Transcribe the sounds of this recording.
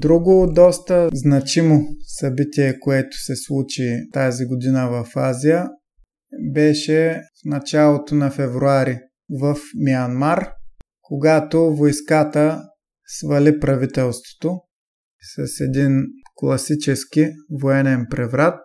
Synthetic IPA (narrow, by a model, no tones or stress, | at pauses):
d̪ɾuɡod̪ɔst̪əznɐt͡ʃimosɐbit̪iɛkoɛt̪ʊ̥sɛslˠut͡ʃit̪aziɡod̪inəvɐfazijə | bɛʃɛfnɐt͡ʃalˠot̪onɐfɛvɾuaɾi | vɐfmiɐnmaɾ | koɡat̪ovojskat̪ə | svɐlipɾɐvit̪ɛlˠst̪vo̥t̪o | sɐsɛd̪inklˠɐsit͡ʃɛsk̟ivoɛnɛnpɾɛvɾat̪̚